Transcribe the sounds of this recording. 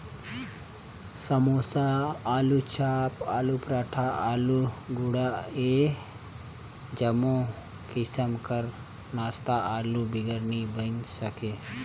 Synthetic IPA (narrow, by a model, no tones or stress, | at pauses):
səmoːsaaːlut͡ʃʰaːpaːlupɾaːʈʰaʔaːluɡuɽae | d͡ʒəmõ | kɪsəmkəɾ | naːst̪aʔaːlubɪɡəɾnibənsəke